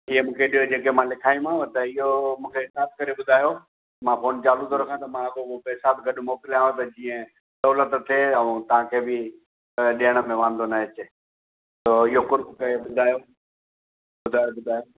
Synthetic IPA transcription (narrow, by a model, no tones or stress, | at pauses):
ɪɦemũːkʰeɗijod͡ʑeːkemãlɪkʰaːjũãt̪ɐɪɦomũːkʰeɦɪsaːb̚kɐɾeɓʊd̪ʱaːjo | mãfoːnt͡ɕaːlut̪ʰoɾɐkʰãt̪ɐmãɐɡoopɛːsaːb̪ɡɐɗʊmoːkɪlaːjõt̪ɐd͡ʑiːə̃ | sɐːlət̪t̪ʰːeɐʋũt̪ɐʋ̤ãkʰeːbʱɪ | ɗiːəɽ̃ə̆mẽʋãːn̆d̪onaɦet͡ɕɪ | soːɪɦokʊɾbkɐɾeɓʊd̪ʱaːjo | ɓʊd̪ʱaːjoɓʊd̪ʱaːjo